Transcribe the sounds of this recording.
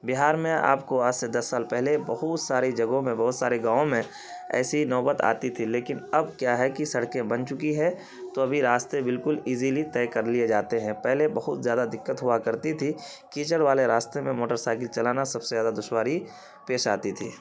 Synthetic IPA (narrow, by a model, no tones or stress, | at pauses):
bɪɦaːɾmẽa̰ːpkoaːd͡ʒsed̪ɐsːaːlpɛɦlebɐɦʊt̪saːɾid͡ʒɐɡõmẽbɔɦʊt̪saːɾeɡãːõmẽ | ɛ̰ːsinɔːbət̪a̰ːt̪it̪ʰileːkɪnɐbkjaɦɛkisɐɽkẽbɐnt͡ʃʊkiɦɛ̃ | t̪oɐbʱiɾaːst̪ebɪlkʊliːzilit̪ɛːkɐɾlied͡ʒaːt̪eɦɛ̃pɛɦlebɐɦʊt̪zjaːd̪ad̪ɪkːət̪ɦʊakɐɾt̪it̪ʰi | kiːt͡ʃəɽʋaːleɾaːst̪emẽmoːʈəɾsaːɪkɪlt͡ʃɐlaːnasɐbsezaːd̪ad̪ʊʃwaːɾi | peːʃa̰ːt̪it̪ʰiː